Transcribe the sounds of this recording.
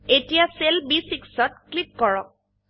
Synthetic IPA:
etijaselbisiksɔt̚klikːɔɹɔk̚

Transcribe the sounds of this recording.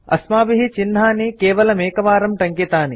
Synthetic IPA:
ɐ̰smaːbiɦit͡ʃinːaːnikeːʋɐlɐmeːkɐʋaːɾɐmʈɐŋkit̪aːni

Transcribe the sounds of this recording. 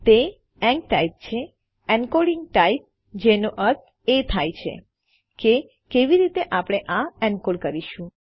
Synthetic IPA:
t̪e | ɛ̃ŋk̚ʈaip̚t͡ʃʰe | ɛnkoɽiŋɡ̚ʈaip̚ | d͡ʒenoʔəɾt̪ | et̪ʰajt͡ʃʰḛ | ke | keʋiɾit̪eʔapɽ̃eʔãɛnkoɽkəɾiʃũ

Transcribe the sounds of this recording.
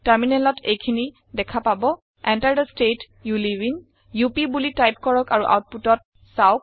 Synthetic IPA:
taɹminɛlɔtʰejkʰini | dɛkʰapabɔ | ɛntajdɔstet | juliwin | jupibulitajp̚kɔɹɔkaɹuʔa̰wt̚putɔt̚ | saok̚

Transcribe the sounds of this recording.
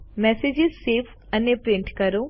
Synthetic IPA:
mɛːsed͡ʒizseːpʰ | ɐnːepɾeɳʈkɐɾo

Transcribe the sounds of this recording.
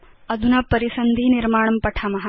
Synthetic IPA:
ɐd̪ʱunɐpɐɾisɐnd̪ʱiːniɾmaːɳɐmpɐʈʰɐmɐɦɐ

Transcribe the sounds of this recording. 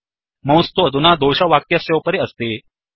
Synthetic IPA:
mə̃w̃st̪od̪ʱunad̪oɕaʋakjasjewpəɾeəst̪e

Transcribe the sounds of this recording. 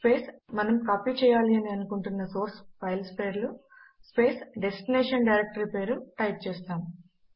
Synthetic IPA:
speːsmɐnɐmkaːpiːt͡ʃɛːjaːliɐniɐnukuɳʈunːɐso̞ːɾspʰɐjlspeːɾluspe̞ːsɖesʈineːʂɐnɖɐjɾek̚ʈɐɾipe̞ːɾuʈɐjp̚t͡ʃɛːst̪aːmu

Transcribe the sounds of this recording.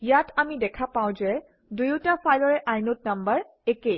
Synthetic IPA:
jatʰamidɛkʰapãw̃zɛ | dujutapʰajlɔɹɛʔajnot̚nambəɹ | ekej

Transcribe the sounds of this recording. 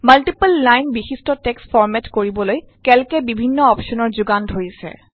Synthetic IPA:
malʈipəlːajnbixistɔtɛksfʰɔɹmɛtkoɹibɔloj | kɛlkɛbibʱinːɔɔpʃɔnɔɹzuɡantɦojsɛ̰

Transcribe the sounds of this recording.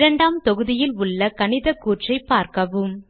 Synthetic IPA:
ɾɐɳɖaːmt̪ɔɣɯðɪjɪlʊɭːɐkɐnɪðɐkːuːʈrɐɪpːaːɾkɐʋɯm

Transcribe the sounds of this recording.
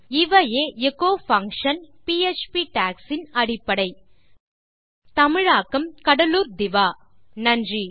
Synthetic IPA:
ɪʋɐjeːekːoːfɐŋkʂɐnpiet͡ʃpiʈaːksɪnɐɽɪpːɐɽɐɪ | t̪ɐmɪɻaːkːɐmkɐɽɐluːɾd̪ɪʋaː | nɐndri

